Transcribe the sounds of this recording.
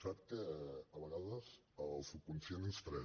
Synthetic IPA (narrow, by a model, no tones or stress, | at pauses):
sat̪̚kəəβəɣaðəz | əlˠsukunsjonənst̪ɾɛ